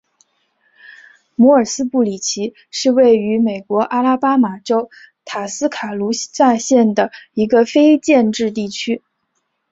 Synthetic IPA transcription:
mɔ˧˥ə˞˨˩sɹ̩˥pu˥˩li˨˩t͡ɕʰi˧˥ | ʂɻ̩˥˧we˥˩ɪy˧˥me˨˩ɪkwɔ˧˥ʔa˥la˥pa˥ma˨˩ʈ͡ʂo˥ʊ | t̪ʰa˨˩sɹ̩˥kʰa˨˩lu˧˥a˥˧ɕjɛ˥˩nd̪ə˩i˧˥ɡə˧fe˥ɪt͡ɕjɛ˥˧nʈ͡ʂɻ̩˥˧t̪i˥˩t͡ɕʰy˥

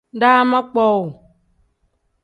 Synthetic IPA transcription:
da˦ma˦k͡pɔ˦wʊ˨

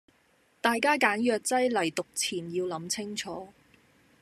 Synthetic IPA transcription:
t̪aː˨jkaː˥kaː˨˥njœː˨˧k̚t͡sɐ˥jlɐ˨˩jt̪ʊ˨k̚t͡sʰiː˨˩njiː˧wlɐ˨˥mt͡sʰɪ˥ŋt͡ʃʰɔː˨˥

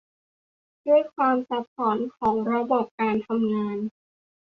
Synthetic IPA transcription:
du˥˩əjkʰwaː˧msa˨˧˩p̚ːɔː˩˦nkʰɔː˩˦ŋɾa˧bɔː˨˩p̚kaː˧nt̪ʰa˧mŋaː˧n

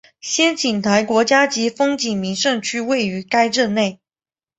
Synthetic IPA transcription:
ɕjɛ˥nt͡ɕi˨˩nt̪ʰa˧˥ɪkwɔ˧˥t͡ɕja˥t͡ɕi˧˥fɤ˥ŋt͡ɕi˨˩ŋmi˧˥ŋʂɤ˥˩ŋt͡ɕʰy˥we˥˩ɪy˧˥ka˥ɪʈ͡ʂ̩˥˧ne˥˩ɪ

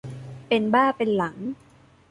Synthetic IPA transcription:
pe˧nbaː˥˩pe˧nla˩˦ŋ

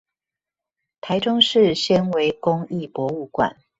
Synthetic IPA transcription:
t̪ʰa˧˦˥ɪʈ͡ʂʊ˥ŋʂɻ̩˥˨ɕjə˥nwe˧˥ɪkʊ˦ŋi˥˨pwɔ˧˥u˥˩kwa̰˨˩n

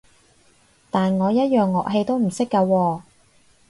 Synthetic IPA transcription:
t̪aː˨nŋɔː˨˧jɐ˥t̚jœː˨ŋːɔː˨k̚ɦe˧jt̪o˥wm̩˨˩sɪ˥kːɐ˧wɔː˧

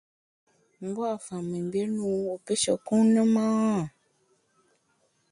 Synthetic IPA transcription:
m̩˦bɔ˦a˨fã˨mĩ˨ɡ͡be˦nũ˦o˨pe˦ʃɔ̰˨kũ˦nə̃˦mã˦ã˦˨

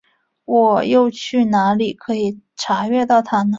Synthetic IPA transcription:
wɔ˨˩jo˥˧ʊt͡ɕʰy˥˩na˧˥li˨˩kʰɤ˧˥i˨˩ʈ͡ʂʰa˧˥ɥɛ˥˧t̪ɑ˥˩ʊt̪ʰa˥nə˨

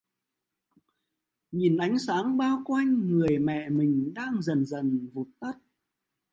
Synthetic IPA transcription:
ɲi˨˩nʔa˨˦jŋ̟saː˨˦ŋɓaː˧wkwa˧jŋ̟ŋɨ˨˩əjmɛ̰˧˨mï˨˩ŋ̟ɗaː˧ŋzə˨˩nzə˨˩nvu˨˩t̚t̪ə˦˥t̚

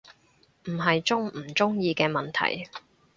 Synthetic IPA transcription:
m̩˨˩ɦɐ˨jt͡sʊ˥ŋm̩˨˩t͡sʊ˥ŋjiː˧kɛː˧mɐ˨nt̪ʰɐ̰˨˩j

